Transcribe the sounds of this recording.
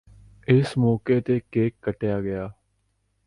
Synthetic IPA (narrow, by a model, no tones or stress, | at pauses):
ɪsmɔːkeːt̪eːkeːkːəʈejaːɡəjaː